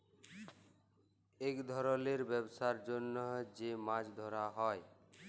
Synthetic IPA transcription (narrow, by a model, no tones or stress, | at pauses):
ekd̪ʱɔɾɔleɾbɛbsaɾd͡ʒonːɔd͡ʑemãd͡ʑd̪ʱɔɾaɦɔe